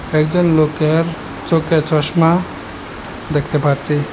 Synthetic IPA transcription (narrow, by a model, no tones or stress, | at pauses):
ɛkd͡ʑɔnlokeɾ | t͡ʃoket͡ɕɔʃma | d̪ɛkʰt̪epaɾt͡ɕʰi